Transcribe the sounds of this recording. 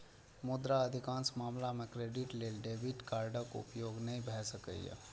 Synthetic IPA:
mʊd̪ɾaəd̪ʱɪkãːnsmaːmlamẽkɾeːɖɪʈleːlɖeːʋɪʈkaːɾɖəko̰ʊ̰pjoːɡnɐɦĩbʱɛːsəkə̰j̰jḛ

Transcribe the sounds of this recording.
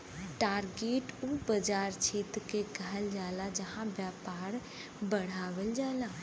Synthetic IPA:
ʈaːɾɡeːʈubəd͡ʒaːɾt͡ʃʰeːt̪kekəɦəld͡ʒaːlad͡ʒəɦãʋjaːpaːɾ | bəɽ̤aːʋəld͡ʒaːlaː

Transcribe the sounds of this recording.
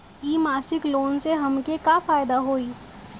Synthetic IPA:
iːmaːsɪkloːnseɦəmkekafaːjd̪aɦoːi

